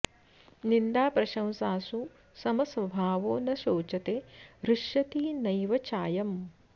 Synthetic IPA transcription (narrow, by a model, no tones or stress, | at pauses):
nind̪aːpɾɐʃɐ̃w̃saːsu | sɐmɐsʋɐbʱaːʋoːnɐʃoːt͡ʃɐt̪eːɾuʂjɐt̪iːnɐjʋɐt͡ʃaːjɐm